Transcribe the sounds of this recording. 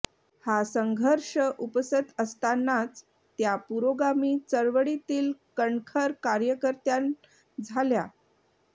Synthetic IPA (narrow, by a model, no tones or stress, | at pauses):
hasəŋɡʱəɾʂəʔupsət̪əst̪anːat͡s | t̪japuɾoɡamiːt͡səɾʋəɽit̪iːlkəɳkʰəɾkaɾjəkəɾt̪jan | d͡zʱalja